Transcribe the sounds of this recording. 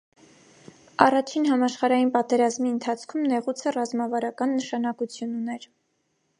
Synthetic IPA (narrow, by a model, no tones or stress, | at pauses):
ɑrɑt͡ʃʰinɦɑmɑʃχɑɾɑjinpɑt̪ɛɾɑzmiənt̪ʰɑt͡sʰkʰumnɛʁut͡sʰərɑzmɑvɑɾɑkɑnːəʃɑnɑkut͡sʰjununɛɾ